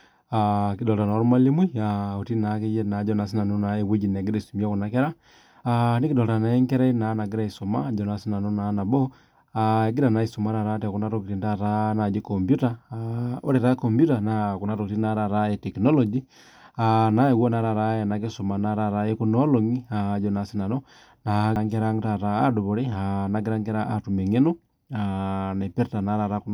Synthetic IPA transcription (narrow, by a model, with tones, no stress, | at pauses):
aki˨dɔ˨lta˨na˨˦ɾu˦ma˦li˦mwi˦ao˨ti˦na˨˦ke˦jɛ˦na˨˦d͡ʒɔ˦na˨s̬i˦na˨nu˦na˨˦e˨we˦d͡ʒi˨na˨ɡi˦ɾa˦i˨su˨mi˦a˦ku˨na˨kɛ˦ɾa˦ | ani˦ki˨dɔ˨lta˨na˨ɛ˦ŋkɛ˦ɾa˦i˦na˨˦na˨ɡi˦ɾa˦˨i˨sɔ˨ma̰˦d͡ʒɔ˨na˨si˦na˨nu˦na˨˦na˨bɔ˦ | ae˨ɡi˦ɾa˨na˨˦i˨su˨ma˨˦ɾa˨ɾa˦tɛ˨ku˦na˦ɾo˦ki˨ɾi˨nda˦˨ɾa˦na˨d͡ʒe˦kɔ˨mbju˦ta˦o˦ɾɛ˨ɾa˦ko˨mbju˦ta˨na˨ku˨na˦ɾo˨kti˦na˦ɾa˨ɾa˦ɛtɛ˨kinɔ˦lɔd͡ʒi | ana˦i˨wɔ˦na˨˦ɾa˨ɾa˦ja˨na˨ke˦so˨ma˨na˨ɾa˨ɾa˦e˦kunɔ˦lɔ˨ŋiad͡ʒɔ˨na˨si˦na˨nɔ | naŋkɛ˦ɾa˦ŋɡta˨ɾa˦a˦du˨βu˨ɾi˦ana˨ɡi˦ɾa˦ŋkɛ˦ɾa˦ʔa˨tu˨mɛ˨ŋe˦nɔ | ana˨pɛ˦ɾta˨na˦ɾa˨ɾa˦kun